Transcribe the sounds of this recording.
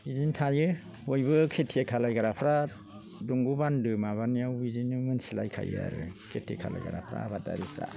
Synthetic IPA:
izintʰajɯ | hojbɯkʰetʰiekʰalajɡaɾapʰɾa | duŋɡubandɯmaβanijawizinɯmɯnsilajkʰa̰j̰a̰ɾɯkʰetʰḛkʰala̰jɡaɾa̰pʰɾa̰ːbata̰ɾipʰɾa̰

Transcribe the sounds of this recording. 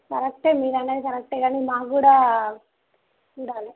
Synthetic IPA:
kɐɾɐkʈeːmiːɾɐnːeːd̪ikɐɾɐk̚ʈeːɡaːnimaːkuːɽaː | t͡ʃuːɽaːli

